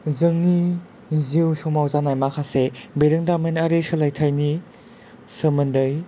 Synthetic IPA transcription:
zɯŋni | ziwsɔmawzanajmakʰasebeɾɯŋdamenaɾesɯlajtʰajni | sɯmɯndɯj

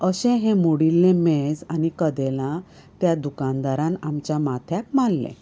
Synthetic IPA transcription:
əɕɛ̃ɦẽmoɽilːẽmed͡zanikəd̪ɛlã | t̪jad̪ukãnd̪aɾãnamt͡ɕjamat̪ʰjak̚malːɛ̰̃

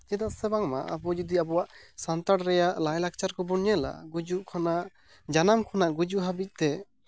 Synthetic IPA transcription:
d͡ʒɛd̪aʔsɛbaŋma̰ʔa̰bɔd͡ʒɔd̪iabɔwaʔsant̪aɽɾɛjaʔlajlak̚t͡ʃaɾkɔbɔɳɲɛla̰ɡud͡ʒuʔkʰɔnaʔ | d͡ʒanamkʰɔnaʔɡud͡ʒuʔɦabic̚t̪ɛ

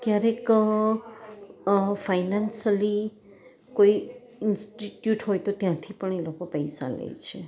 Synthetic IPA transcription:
k̪jaɾek | fajnansəli | koi | ɪnsʈiʈjuʈɦojt̪ot̪jãt̪ʰipəɳelokopəjsa̰lə̰jt͡ʃʰe

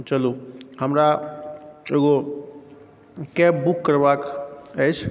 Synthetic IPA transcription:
t͡ʃəluhəmɾa | eɡo | kɛpbukːəɾbakəjt͡ʃʰ

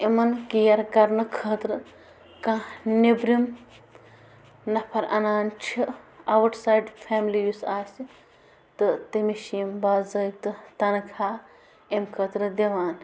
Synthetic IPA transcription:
imɐnkijɐɾɡɐɾnɨkʰəːt̪ɾɨ | kãnebɾim | nɐpʰɐɾɐ̰naːnt͡ʃʰiɐʋɐʈsaːjɖpʰaːmilijusaːsi | t̪ɨt̪imiʃimbaːzɐjt̪ɨt̪ɐnkʰaː | emkʰəːt̪ɾɨd̪ʲeʋaːn

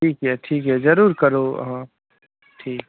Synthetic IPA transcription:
ʈʰiːkɦɛʈʰiːkɦɛzɐɾuːɾkɐɾo̰ɦã | ʈʰiːk

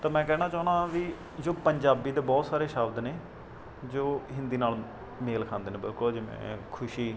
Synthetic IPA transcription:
t̪aːmɛ̃ːkɛːɽ̃aːt͡ʃaːʊnaːʋiː | d͡ʒoːpəɲd͡ʒaːbiːd̪eːbɔːt̪saːɾeːʃaːbd̪neː | d͡ʒoːɦɪ̃nd̪iːnaːl | meːlkʰãːnd̪eːneːbɪlkʊld͡ʒemɛ̰̃ːkʰʊʃiː

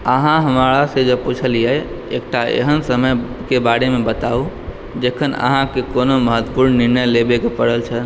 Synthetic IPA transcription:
əɦãɦəmɾasẽd͡ʒeput͡ʃʰəlijɛ | ḛk̚ʈaḛɦənsəməjkebaɽemebət̪au | d͡ʒekʰənə̰ɦãkekonoməɦət̪ːpuɾnːiɾnəjlebekepəɽəlt͡ʃʰən

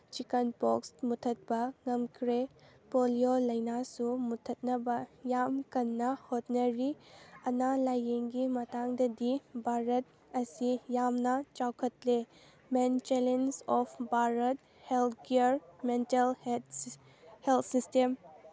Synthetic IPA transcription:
t͡ʃikɐnpoksmutʰːɐt̚bɐŋɐmkʰɾe | poliolɐjnasumutʰːɐt̚nɐbɐjamkɐnːɐhot̚nɐɾiɐnalajeŋɡimɐtaŋdɐdibʱaɾɐt̚ | ɐsijamnɐt͡ʃawkʰɐt̚le | ment͡ʃelensɔpʰbʱaɾɐt̚ | heltʰkeɾmentel | heltʰsistem

